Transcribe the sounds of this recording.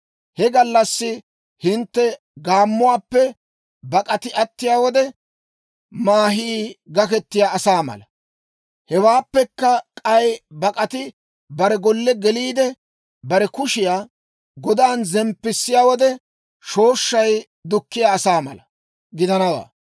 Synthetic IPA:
hɛɡɐlːɐsːɪ | hɪnt̪ːɛ | ɡaːmːʊwaːpːɛ | bɐkʼɐt̪ɪʔɐt̪ːɪjaːwɔd̪ɛ | maːɦiːɡɐkɛt̪ːɪjaːsaːmɐ̰lɐ | hɛwaːpːɛkːɐkʼɐjbɐkʼɐt̪ɪ | bɐɾɛɡɔlːɛɡɛliːd̪ɛ | bɐɾɛkʊʃɪjaː | ɡɔd̪aːnzɛmpːɪsːɪjaːwɔd̪ɛ | ʃo̞ːʃːɐj | d̪ʊkːɪjaːsaːmɐ̰lɐ | ɡɪd̪ɐnɐwa̰ː

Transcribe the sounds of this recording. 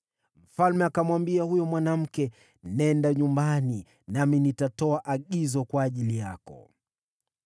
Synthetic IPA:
m̩falmɛakamwambiahujɔmwanam̩kɛ | nɛndaɲumbani | naminitatɔaʔaɠizɔkwaːʄilijakɔ̰

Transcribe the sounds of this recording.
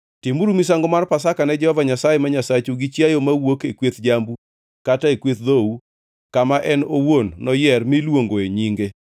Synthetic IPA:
timuɾumis̬aŋɡɔmarpasakanɛd͡ʒɛhɔvaɲasajemaɲasat͡ʃuɡɪt͡ʃjajomawokekwet̪d͡ʒambu | kataekwet̪̚ðou | kamaʔɛnowonnɔjɛrmilwoŋɡoeɲiŋɡe

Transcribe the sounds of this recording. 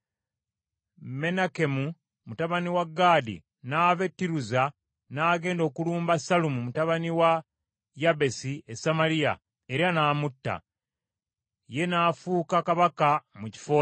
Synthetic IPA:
me̞nake̞mu | mutaβaniwaɡːaːdḭ | naːve̞tːiɾuza | naːɡe̞ːndo̞ːkuluːmbasalumumutaβaniwa | jabe̞siesamalija̰ | e̞ɾanaːmutːa̰ | je̞naːfuːkakaβakamuci̥fo̞ː

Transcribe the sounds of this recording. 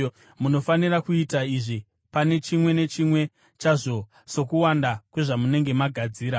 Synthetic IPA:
muno̞fanirakuitaiʐi | pane̞t͡ʃimwe̞ne̞t͡ʃimwe̞ | t͡ʃaʐo̞ | so̞kuwandakwe̞ʐamune̞ŋɡe̞maɡʱad͡ziːɾa

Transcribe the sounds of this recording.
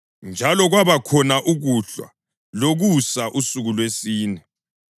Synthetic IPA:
nd͡ʒʱalɔɣwaβakʰɔnaʔuɣuɬwa̰ | loɣusaʔusuɣulwesiːnɛ

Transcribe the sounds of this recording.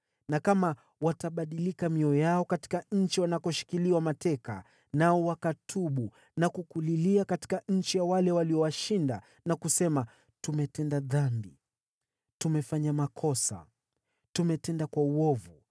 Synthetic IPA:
nakama | wataɓaɗilikamiɔjaɔkati̥kaɲ̩t͡ʃiwanakɔʃi̥kiliwamatɛka̰ | naɔwakatʰuɓu | nakukuliliakati̥kaɲ̩t͡ʃijawalɛwaliɔwaʃinda̰ | nakusɛma | tumɛtɛndaðanbi | tumɛfaɲamakʰɔsa̰ | tumɛtɛndakwauɔvu

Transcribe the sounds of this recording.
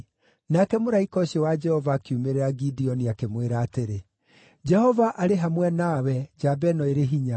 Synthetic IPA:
nakɛmoɾaikɔɕiɔwad͡ʒɛhɔvaːkiumeɾeɾaɡidiɔniakemweɾaːteɾe | d͡ʒɛhɔvaʔaɾeɦamwɛnawɛd͡ʒabɛnɔeɾeɦiɲa

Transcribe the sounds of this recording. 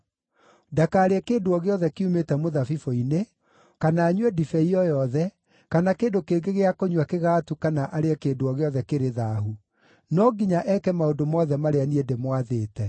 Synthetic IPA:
dakaːɾeɛkeːndoɔɣeɔðɛkeumetɛmoðafifoine | kanaːɲwɛdifɛiɔjɔðɛ | kanakeːndokeːɡeɣeakoɲwakeɣaːtukanaʔaɾeɛkeːndoɔɣeɔðɛkeɾeðaːhu | nɔɡiɲaʔɛkɛmaondomɔðɛmaɾeaniedemwaðeːtɛ

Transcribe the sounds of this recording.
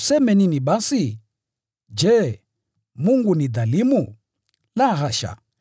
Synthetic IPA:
sɛmɛniniɓasi | d͡ʒɛ | muŋɡunid̪alimu | laɦaʃa̰

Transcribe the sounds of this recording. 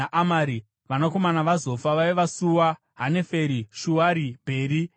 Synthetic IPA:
aʔamaɾi | ʋanako̞manaʋazo̞faʋaiʋasuwa | ɦane̞fe̞ɾiʃuwaɾibʱe̞ːɾi

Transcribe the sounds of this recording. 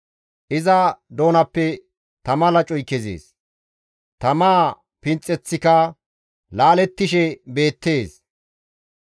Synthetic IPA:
ʔɪzɐd̪o̞ːnɐpːɛ | t̪ɐmɐlɐt͡ʃʼɔjkːɛzḛːs | t̪ɐmaː | pɪnt͡sʼːɛt͡sːɪkɐ | laːlɛt̪ːɪʃɛbe̞ːt̪ːe̞ːs

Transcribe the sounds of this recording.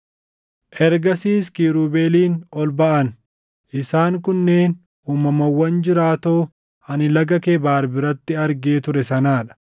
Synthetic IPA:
ʔɛɾɡɐsiːskiːɾuːbeːliːnɔlbɐʔɐn | ʔɪsaːŋkʊnːe̞ːn | ʔuːmɐmɐwːɐnd͡ʒɪɾaːt̪oː | hɐnɪlɐɡɐkeːbaːɾbɪɾɐt̪ːɪɐɾɡeːt̪ʊɾɛsɐnaːᶑɐ̥

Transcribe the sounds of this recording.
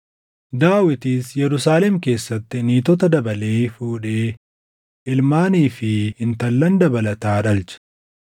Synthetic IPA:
d̪aːwɪt̪iːsjɛɾʊsaːlɛmke̞ːsːɐt̪ːɪniːt̪ɔt̪ɐd̪ɐbɐle̞ːfuːᶑe̞ː | ʔɪlmaːniːfɪɪnt̪ɐlːɐnd̪ɐbɐlɐt̪aːᶑɐlt͡ʃɐ̥

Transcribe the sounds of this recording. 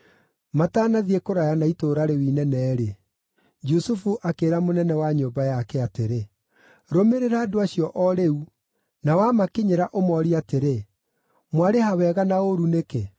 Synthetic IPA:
mataːnaðiekoɾajanaitoːɾaɾewiːnɛnɛɾe | d͡ʒusufuʔakeːɾamonɛnɛwaɲoːmbajakɛateɾe | ɾomeɾeɾaːdoaɕiɔʔɔɾeu | nawamakeɲeɾaʔomɔɾiateɾe | mwaɾehawɛːɣanaoɾuneke

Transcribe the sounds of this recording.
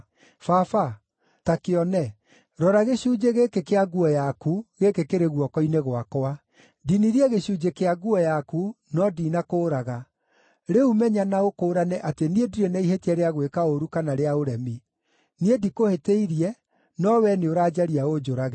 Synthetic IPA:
fafa | takeɔnɛ | ɾɔɾaɣeɕud͡ʒeɣekekeaɡuɔjakuɣekekeɾeɣwɔkɔineɣwakɔa | diniɾiɛɣeɕud͡ʒekeaɡuɔjaku | nɔdiːnakoːɾaɣa | ɾeumɛɲanaokoːɾanɛʔateniediɾenaiɦetiɛɾeaɣwekaoɾukanaɾeaoɾɛmi | niedikoheteiɾiɛ | nɔwɛneoɾaːd͡ʒaɾiaod͡ʒoɾaɣe

